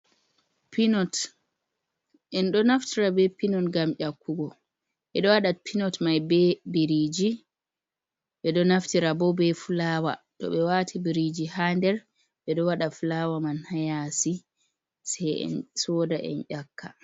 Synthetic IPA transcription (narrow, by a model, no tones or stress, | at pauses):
pinɔt | ʔɛnɗɔnaftiɾabɛpinɔnɡamʔakːuɡɔ | ɓɛɗɔwaɗapʰinɔtmajbɛbiɾid͡ʒi | ɓɛɗɔnaftiɾabɔbɛfulaːwa̰tɔ̰ɓɛwatʰibiɾid͡ʒihandɛɾ | ɓɛɗɔwaɗafulawamanhajasi | sɛjɛ̰nsɔdaʔɛ̰nʔakʰːa̰